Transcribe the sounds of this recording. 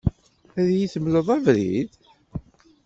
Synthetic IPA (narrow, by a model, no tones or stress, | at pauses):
æðjiθəmləðˤævɾḭð